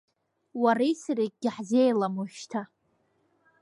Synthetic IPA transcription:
warijsɨrik̚ɡʲɪħzejlamoʃtʰa

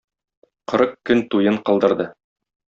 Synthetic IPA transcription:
qɤ̆ɾɤqkɵnt̪ujɤɴqɤ̆lˠd̪ɤ̆ɾd̪ɤ

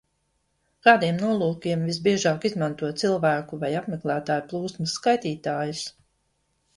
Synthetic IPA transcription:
kaːd̪iɛmnuɔlˠuːkiɛmvisbiɛʒaːkizmant̪uɔsilˠvæːkuvajapmɛklˠæːt̪aːjuplˠuːsmɨskajt̪iːt̪aːjus

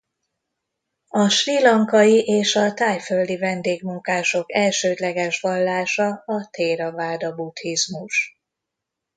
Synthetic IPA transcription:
ɒʃrilɒŋkɒjiʔeːʃɒt̪aːjføld̪ivɛnd̪eːɡmuŋkaːʃo̞kɛlʃøːd̪lɛɡɛʃʋɒlːaːʃɒɒt̪eːɾɒvaːd̪ɒbut̪hizmuʃ

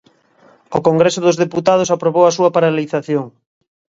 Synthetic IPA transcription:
okoŋɡɾesoðozðeput̪að̞osapɾoβowasuɐpaɾaliθaθjoŋ

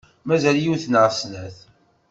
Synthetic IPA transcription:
mæzæljuθnəʁsnæθ

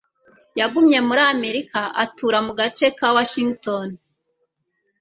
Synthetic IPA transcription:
jaɡumɲe̞muɾame̞ɾikaʔatuːɾamuɡat͡ʃe̞kawaʃiŋɡton

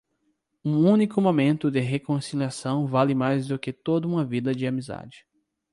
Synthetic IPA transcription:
ũũnikʊmomẽnt̪ʊd̪ɪɦekõsiliasɐ̃w̃valɪmajzd̪ʊkɪt̪od̪ɐũmɐvid̪ɐd͡ʒɪamiza̰d͡ʒɪ

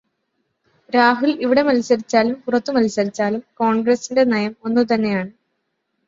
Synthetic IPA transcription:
ɾaːɦuliʋiɽe̞mɐlsɐɾit͡ɕːaːlumpurɐt̪ːumɐlsɐɾit͡ɕːaːlumkoːɳɡrɐsinde̞nɐjɐmo̞nːut̪ɐnːe̞jaːɳɨ

